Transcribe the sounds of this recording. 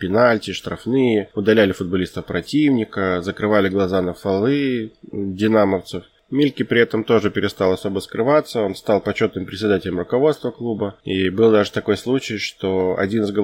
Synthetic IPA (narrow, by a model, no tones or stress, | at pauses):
pʲɪnalʲtʲɪʂt̪ɾɐfnɨjəʊd̪ɐlʲælʲɪfʊd̪̚bɐlʲist̪əfpɾɐtʲivnʲɪkəzəkɾɨvalʲɪɡlˠɐzanəfɐlˠɨ | dʲɪnaməft̪sɨf | mʲilʲkʲɪpɾʲɪɛt̪əmt̪o̞ʐɨpʲɪɾʲɪst̪alˠɐso̞bəskɾɨvat̪sːəo̞nst̪ɑlˠpɐt͡ɕːo̞t̪nɨmpɾʲɪtʲsʲɪd̪atʲɪlʲəmrʊkɐvo̞t̪st̪vəklˠubəibɨlˠd̪aʐɨt̪ɐko̞jslˠut͡ɕɪjʂt̪oɐ̰dʲinɨzɡə